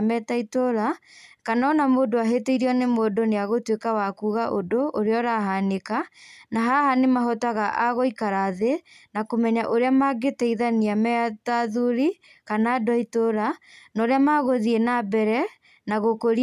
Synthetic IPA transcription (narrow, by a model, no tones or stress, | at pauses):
mɛtaitoɾakanaɔnamoːdoaɦeteiɾiɔnemoːdoneaɣotwekawakuːɣaʔodoʔoɾeɔɾaɦanekanaɦahanemaɦɔtaɣaʔaɣoikaɾaðenakomɛɲaʔoɾeamaɡetɛiðaniamɛtaðuɾi | kanadɔitoɾanaoɾeamaɣoðienabɛɾɛ | naɣokoɾi